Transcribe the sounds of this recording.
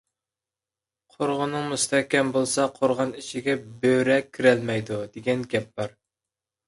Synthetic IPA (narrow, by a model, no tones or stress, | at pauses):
qʰoɾʁʊnɨŋmust̪ʰɛhkʲɛmbolˠsɑqʰoɾʁɑniʃʰiɡʲɛbøɾɛkʲʰːiɾælmɛjd̪ud̪eɡʲɛnɡʲɛp̚b̥ɑɾ